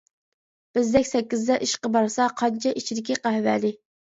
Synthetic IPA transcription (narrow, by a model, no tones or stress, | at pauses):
b̥ɪzd̪ɛkʲsɛkʲːizd̪ɛʔiʃqəbɑɾsɑqʰɑnt͡ʃʰɛʔit͡ʃʰid̪ɪkʲiqæɦvælɪ